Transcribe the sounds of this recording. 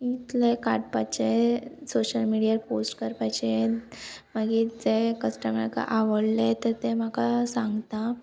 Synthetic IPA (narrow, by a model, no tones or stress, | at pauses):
it̪lekaʈpat͡ɕesoɕəlmiɽijaposʈkəɾpajt͡ɕe | məɡiːd͡zekəsʈəməɾka̰ʔaʋəɽlet̪əɾt̪em̤akasãŋɡt̪a